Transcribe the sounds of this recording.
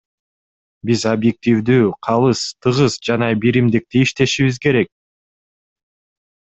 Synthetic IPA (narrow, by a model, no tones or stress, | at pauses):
bizobjek̚t̪ʲivd̪yːqʰɑlˠɯst̪ʰɯʁɯzd͡ʒɑnɑbiɾimd̪ik̚t̪iiʃt̪e̞ʃiβizke̞ɾe̞k̚